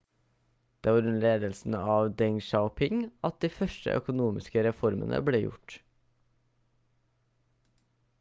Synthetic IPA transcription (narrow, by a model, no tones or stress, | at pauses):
d̪̥eːʋɑːɾʉnleːd̪əlsn̩əɑːʋd̪ɛŋʃɑʊpʰɪŋɑt̪̚d̪iːfœʃʈə̰ʔœ̰kʊnuːmɪskəɾɛfɔɾmə̰nə̰bɽeːjʊ̰ʈ